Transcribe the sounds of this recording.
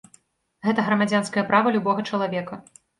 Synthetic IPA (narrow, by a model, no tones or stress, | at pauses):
ɣɛt̪ɐɣɾɐmad͡zʲanskɐjɐpɾʔavɐlʲubɔɣɐt͡ʂɐlˠavʲɛkɐ